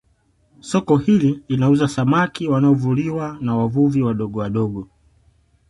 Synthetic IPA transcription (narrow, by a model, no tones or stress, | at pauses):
sɔkɔhililinauzasamakiwanaɔvuliwanawavuviwaɗɔɠɔwaɗɔɠɔ